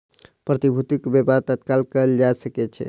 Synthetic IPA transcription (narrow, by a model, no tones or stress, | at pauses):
pɾət̪ibʱut̪ikbepat̪ət̪kalkəld͡ʒasəkɛt͡ʃʰɛ̰